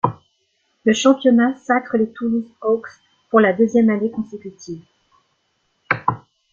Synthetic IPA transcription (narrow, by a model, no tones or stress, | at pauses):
ləʃɑ̃pjɔnasakχəlet̪ʰulisoks | puʁlad̪øzjɛmanekɔ̃sekʲyt̪ʰiv